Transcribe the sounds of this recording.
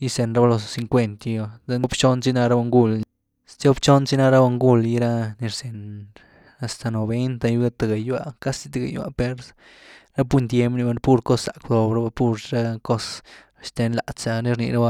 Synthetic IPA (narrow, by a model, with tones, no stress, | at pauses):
ji˦se˧nɾa˦ba˧lo˧ssi˧ŋkʷe˦˧nt̪i˧a˧d̪a˦no˦bt͡ʃo˦nt͡si˦na˦˧ɾa˦ba˧ŋɡu˦l | st͡so˦bt͡ʃo˦nt͡si˦na˦ɾa˦ba˧ŋɡu˧lji˧ɾa˦ni˧ɾse˨n | a˨st̪a˨no˨be˦nt̪a˧ju˦ɡa˦t̪a˨ɡa˨ja̰˨ka˦si˧t̪a˧ɡa̰˨ja̰˨pe˧ɾ | ɾa˦p̬u˦nt̪ʲje˦mbni˧ba˧pu˦ɾko˦ssa˨kd̪o˧bɾa˦ba˧pu˦˧ɾɾa˦ko˦s | ʃt̪e˧˦nla˨t͡sa˧ni˧ɾnḭ˧ɾa˦ba˧